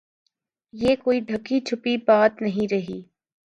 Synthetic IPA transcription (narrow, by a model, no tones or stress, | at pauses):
jeːkoːiɖ̪ʱɐkːit͡ʃʰʊpibaːt̪nɐɦĩɾɐɦiː